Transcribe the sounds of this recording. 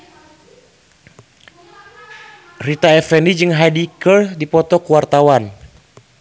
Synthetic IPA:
rit̪aɛfɛnid͡ʒɨŋɦadikərdipɔt̪ɔkuwart̪awan

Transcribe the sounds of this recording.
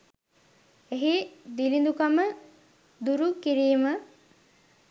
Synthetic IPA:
eɦid̪ilind̪ukamə | d̪uɾukiɾiːmə

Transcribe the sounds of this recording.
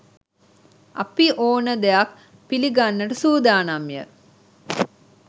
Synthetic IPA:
ɐ̰piʔoːnəd̪ejak | piliɡanːəʈəsuːd̪aːnamjə̰

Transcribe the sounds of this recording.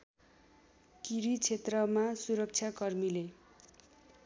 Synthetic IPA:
kiɾit͡sʰet̪rʌmasuɾʌk̚t͡sʰjakʌrmile

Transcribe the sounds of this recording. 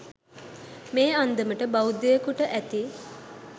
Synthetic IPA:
meːand̪əməʈəbawud̪ejəkuʈəʔæt̪i

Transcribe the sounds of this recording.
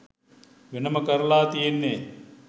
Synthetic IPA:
ʋenəməkəɾlaːt̪ijenːe

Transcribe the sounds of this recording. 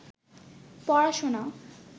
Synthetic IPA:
pɔɽaʃona

